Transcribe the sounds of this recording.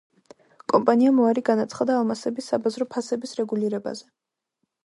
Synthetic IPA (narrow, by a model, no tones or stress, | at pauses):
kʼɔmpʼaniamɔaɾiɡanat̪sʰχad̪aːlˠmasɛbisːabazɾɔpʰasɛbisɾɛɡuliɾɛba̰zɛ